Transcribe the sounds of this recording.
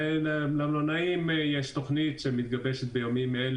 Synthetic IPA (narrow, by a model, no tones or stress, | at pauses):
llamlonaimjeʃt̪o̞χnit̪ʃemit̪̚ɡabeʃet̪̚bejomimːeel